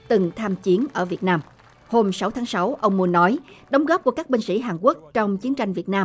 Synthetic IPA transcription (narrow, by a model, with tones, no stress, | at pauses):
t̪ɨ˨˩ŋt̪ʰaː˧mt͡ɕi˨˦ənʔəː˧˩vi˨˩ət̚naː˧m | ho˧msa˨˦wt̪ʰaː˨˦ŋsa˨˦wʔə˧wŋ͡mmu˧ənːɔ˨˦jɗə˨˦wŋ͡mɣɔ˦˥p̚ku˧˩kaː˦˥k̚ɓï˧ŋ̟sḭ˧˥˩ɦaː˨˩nku˦˥ək̚t͡ɕɔ˧wŋ͡mt͡ɕi˨˦ənt͡ɕa˧jŋvi˨˩ət̚naː˧m